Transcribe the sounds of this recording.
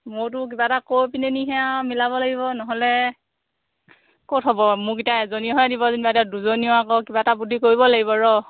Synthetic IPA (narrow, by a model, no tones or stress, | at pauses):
mʊɹt̬ʊk̬ibatakoɹpineniɦɛamilabɔlaɡibɔnɔɦɔlɛ | kotɦɔbɔmʊkitaɛzoniɔɦɔjadibɔzinbadiaduzoniɔakɔkibataputʰikoɹibɔlaɡibɔɹɔ